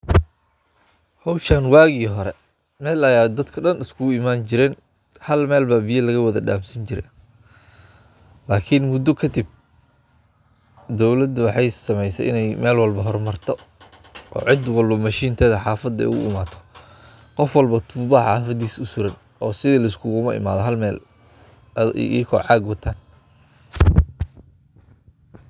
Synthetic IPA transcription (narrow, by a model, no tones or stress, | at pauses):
hɔwʃɐnwaːɣiːɦɔɾɛ | mɛːlɐjaːd̪ɐd̪kʰɐɖɐnɪskʰʊimaːnt͡ʃɪɾɛːn | hɐlmɛːlbɐbijɐlɐɣɐwɐðɐɖaːmsɐnt͡ʃɪɾɛ̰ | laːkʰɪnmʊd̪ɔkʰɐd̪ib̚ | d̪ɔwlɐd̪wɑħɑjsɐmɛjsɛ̰ʔɪ̰nɛjmɛːlwɑlbɐɦɔrmɐrt̪ʰɔ | ʔɔ̰ːʕɪd̪wɑlbɐmɐʃiːnt̪ʰɛðɐħɑːfɐd̪ɛ̰ʊɣʊ̰ɪmaːt̪ʰɔ̥ | qɔfwɐlbɐt̪ʰuːβaħɑːfɐd̪iːsʊsʊɾɐn | ɔːsɪðiːlɐɪskʰʊɣʊmɐɪ̰ma̰ːðɔɦɐlmɛːl | ḭːkʰɔ̰ʕɑːɡwɐt̪ʰaːn